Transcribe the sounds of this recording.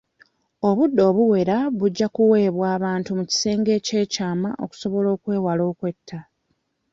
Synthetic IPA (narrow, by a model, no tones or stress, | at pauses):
o̞βudːo̞ːβuwe̞ɾaβuɟːakuwe̞ːβwaːβaːntumuci̥se̞ːŋɡe̞ːce̞ːcaːmaʔo̞̰ku̥so̞βo̞lo̞ːkwe̞ːwalo̞ːkwe̞tʰːa